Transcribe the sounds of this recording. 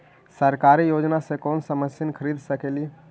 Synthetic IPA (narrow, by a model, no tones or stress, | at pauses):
səɾkaɾijod͡ʒnasẽkonsəməsənkʰəɾid̪ʱsəkeli